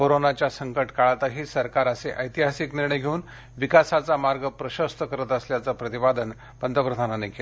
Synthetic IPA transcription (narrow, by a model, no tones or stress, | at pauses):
koɾonat͡ɕjasəŋkəʈkaɭat̪aɦiːsəɾkaɾəseʔəjt̪iɦasikniɾɳ̃əjɡʱeuːn | ʋikasat͡samaɾɡəpɾəɕəst̪ʰəkəɾət̪əsljat͡səpɾət̪ibad̪ən | pənd̪ʱəpɾəd̪ʱananekel